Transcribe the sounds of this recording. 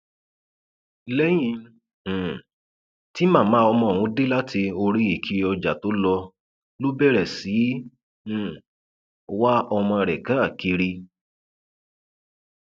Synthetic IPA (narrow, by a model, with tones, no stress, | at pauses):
lɛ˦j̃ĩ˧˦˨ | ti˦mã˦˨mã˨˦ɔ˧mɔ̃˧˨wũ˧˦de˦la˦tʰi˧o˧ɾi˧˦i˦˨kʰi˨˧˦ɔ˧d͡ʒa˨to˨˦lɔ˧ | lo˦bɛ˦˨ɾɛ˨sĩ˨˦˨ | wa˦ɔ˧mɔ̃˧ɾɛ˨kã˨˦a˦˨ki˧ɾi˧